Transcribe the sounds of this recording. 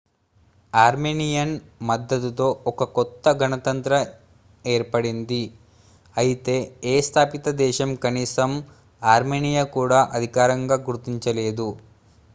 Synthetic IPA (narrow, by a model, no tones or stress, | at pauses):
aːɾmeːnijɐnmɐd̪ːɐd̪ut̪o̞ːɔkɐkɔt̪ːɐɡɐnɐt̪ɐnt̪ɾɐ | e̞ːɾpɐɽind̪i | ɐjit̪e̞ːeːst̪ʰaːpit̪ɐd̪ɛːʃɐmkɐniːsɐm | aːɾmeːnijakuːɽaːʔɐd̪ʱikaːɾɐŋɡaːɡuɾt̪iɲt͡ʃɐle̞ːd̪u